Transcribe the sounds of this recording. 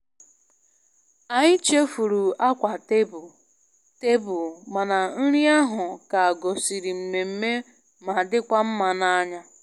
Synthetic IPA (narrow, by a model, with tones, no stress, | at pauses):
a˨ɲɪ˦t͡ʃe˦fu˨ɾu˨a˦kʷa˨te˦b | te˦bʊ˨ma˨na˨n̩˦ɾi˦a˦ɦʊ˨ka˨a˨ɡo˨si˨ɾi˨m̩˨me˨m̩˦me˦ | ma˨dɪ˦kʷa˦m̩˦ma˨na˦ɲa˦